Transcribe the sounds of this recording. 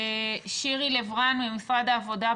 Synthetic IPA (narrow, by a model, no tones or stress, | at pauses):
ʃiʁilevʁanbemisʁadaːvo̞da